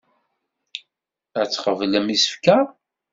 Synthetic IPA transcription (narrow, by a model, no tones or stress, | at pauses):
æt͡sːχəvləmisə̥fkæ